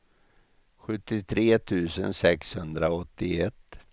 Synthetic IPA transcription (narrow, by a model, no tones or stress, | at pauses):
ɧɵt̪ːɪt̪ʰɾeːt̪ʰʉ̟ːsə̰nsɛkshɵnd̪ɾaɔt̪ːɪɛt̪ː